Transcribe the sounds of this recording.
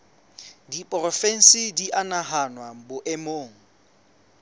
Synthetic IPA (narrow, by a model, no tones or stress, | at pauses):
dipʼrɔfɛn̩sɪdiʔanaɦanwabʊʔɛmoːŋ̩